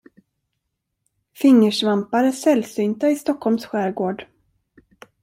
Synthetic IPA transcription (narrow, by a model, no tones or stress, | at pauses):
fɪŋːəʂvampaɾəsɛlsyːnt̪aɪst̪ɔkʰːhɔlmsɧæːɾɡoːɖ